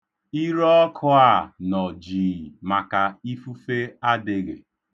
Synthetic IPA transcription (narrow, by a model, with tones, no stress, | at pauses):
i˦ɾɔ˦ɔ˦kʰʊ˦a˦˨nɔ˨d͡ʒiː˨ma˨ka˨i˦fu˦fe˦a˦de˨ɡḛ˨